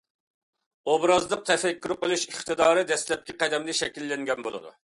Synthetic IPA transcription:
obɾɑzlˠəq̚t̪ʰɛfɛkʲːyɾqəlˠuʃiχt̪ɨd̪ɑːɾɨd̪ɛslɛp̚kʲɛqɛd̪ɛmlɪʃɛkʲilːɛŋɡʲɛnbolˠɨ̰d̪ṵ

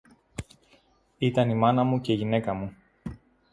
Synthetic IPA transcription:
it̪ɐnimɐnɐmuce̞iʝine̞kɐmu

